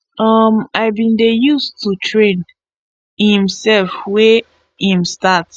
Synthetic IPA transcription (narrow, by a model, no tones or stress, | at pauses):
ʌmaɪvbĩndejustʰutʰɹẽn | hnhĩmsɛlfwɛ | hĩmstat